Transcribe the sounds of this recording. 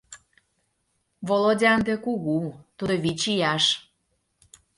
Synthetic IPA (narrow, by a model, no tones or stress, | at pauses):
volodʲɑnd̪ekuɣut̪ud̪oβit͡ɕijɑʃ